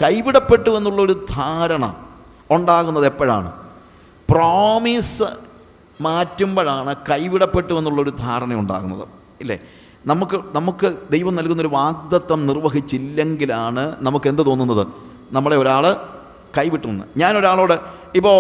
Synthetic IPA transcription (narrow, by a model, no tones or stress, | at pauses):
kɐjʋiɽɐpːe̞ʈːuʋe̞nːuɭːɐo̞ɾud̪ʱaːɾɐɳɐ̰ | uɳɖaːɣunːɐðepːɐɻa̰ːɳɨ̰ | proːmisɨ | maːtːumboɻaːɳɨkɐjʋiɽɐpːe̞ʈːuʋe̞nːuɭːɐo̞ɾud̪ʱaːɾɐɳɐmuɳɖa̰ːɣunːɐ̰ðɨ̰ | ilːḛ | nɐmukːɨnɐmukːɨd̪e̞jʋɐmnɐlkːunːɐoɾuʋaːɡ̚d̪ɐt̪ːɐmnirʋɐɦit͡ɕːilːe̞ŋɡilaːɳɨnɐmukːe̞nd̪ɨt̪o̞ːnːunːɐðɨ̰ | nɐmːɐɭe̞oɾaːɭɨ | kɐjʋiʈːunːɨ̰ɲaːno̞ɾaːɭoːɽeipːoː